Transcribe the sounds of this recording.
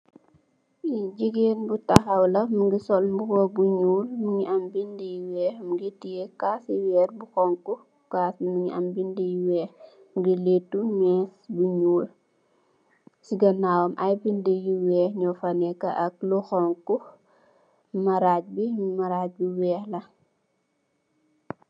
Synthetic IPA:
id͡ʒiɡeːnbutɐxɐwlɐmuɡisɔlmbuwɔbuɲuːlmuɲiɐmbindijwɛːxmuɡitːijekaːsiwɛːrbuxɔŋku | kaːsmuɲiɐ̰mbindijuwɛːx | ɡiletːumɛːsbuɲuːl | siɡɐnawɐmʔɐjbindəjuwɛːxɲɔfɐnɛkɐʔɐk̚luxɔŋku | mɐɾaːc̚bimɐɾac̚biwɛːxlɐ

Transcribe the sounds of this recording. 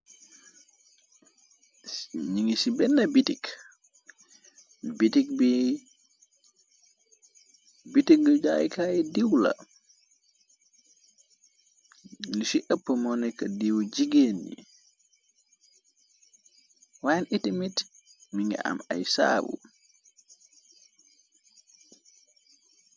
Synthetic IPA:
ɲiŋisibɛnːɐbitik | bitik̚bi | bitik̚ɡəd͡ʒa̰ːjḭkajidiwla̰ | lisiʔəpːəmɔnɛkadiwd͡ʒiɡenːḭ | wajnʔitimitmiŋɡɛ̰ʔa̰majsa̰ːbṵ

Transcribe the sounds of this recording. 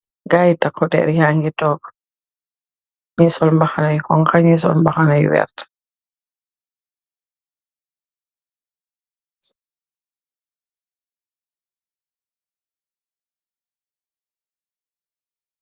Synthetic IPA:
ɡajtakʰːɔdɛ̰ɾhaŋɡitɔːkɔ̥ | ɲisɔlmbaxanajhɔŋkaɲisɔ̰lmbaxanajwɛ̰ɾtḁ

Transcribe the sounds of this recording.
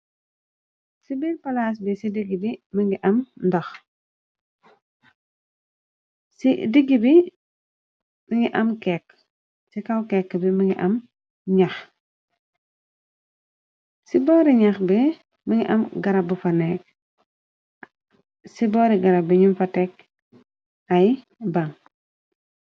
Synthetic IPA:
sibilpɐlaːs̬bisidiɡːibiməŋɡiʔɐmndɐx | sidiɡːibi | mɐŋiʔɐmkɛkː | sikɐwkɛkːəbimɐŋɡiʔɐm | ɲax | sibɔːɾiɲɐxbi | miŋiʔɐmɡɐɾɐbəfɐnɛk | sibɔːɾiɡɐɾabiɲumfɐtɛk̚ | ɐj | baŋ

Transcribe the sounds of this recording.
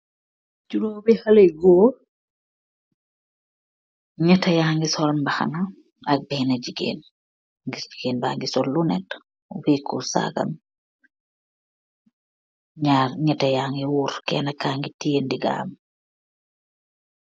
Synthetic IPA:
d͡ʒuɾoːbihɐleɡoː | ɲɛtːɐjaːŋɡisɔlmbaxa̰na | ɐk̚bɛnɐd͡ʒiɡḛːn | ŋɡisd͡ʒiɡeːnbaːŋɡisɔlːunɛt | uwikṵsa̰ɡɐ̰m | ɲarɲɛtɐjaːŋɡiwuːɾkɛ̰ːnɐkːaŋɡitiendiɡa̰ːm

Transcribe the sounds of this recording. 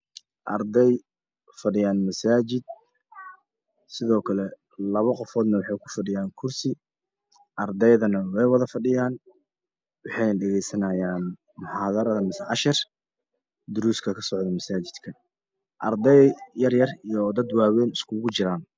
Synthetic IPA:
ʔɐ̰rd̪ɛj | fɐɖɪjaːnmɐsaːt͡ʃɪd̪̚ | sɪðɔːkʰɐlɛ | lɐβɐqɔfɔːd̪nɐwɑħɑjkʰʊ̥fɐɖɪjaːŋkʰʊrsɪ | ʔɐrd̪ɛjðɐnɐwɛjwɑðɐfɐɖɪjaːn | wɑħɑjnɖɛɣɛjsɐnɐjaːn | mʊħaːðɐɾɐðɐmɪsɐʕɑʃɪr | d̪ʊɾuːskʰɐkʰɐsɔʕd̪ɐmɐsaːt͡ʃɪd̪kʰɐ | ʔɐrd̪ɛjjɐrjɐrijɔd̪ɐd̪waːwɛːnɪskʰʊɣʊt͡ʃɪɾaːn

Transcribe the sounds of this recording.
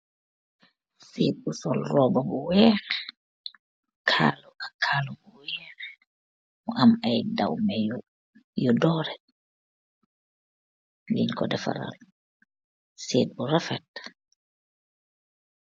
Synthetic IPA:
seːt̚busɔlrɔbabɔwɛːɾɛ | kʰalɔkakʰaːlɔbɔwɛːɾɛ | mɔʔamajdawmɛj | jɔdɔɾɛ | liɲkɔdɛfa̰ɾa̰l | set̚buɾafɛt̚

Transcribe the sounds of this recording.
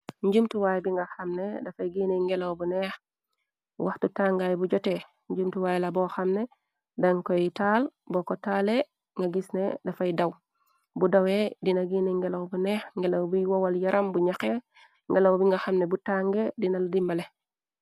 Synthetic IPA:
ɲɟumtuwajbiŋɡaxɐmnedafajɡineŋɡelowbunex | waxtutaŋɡajbuɟɔte | ɲɟumtuwajelaboxamne | daŋkojitaːlbokotaːle | ŋɡaɡisnḛdafajdaw | budawedinaɡineŋɡelawbuneːxŋɡelowbujwowaljaɾambuɲaxe | ŋɡelowbiŋɡaxamnebutaŋɡedinaldimbale

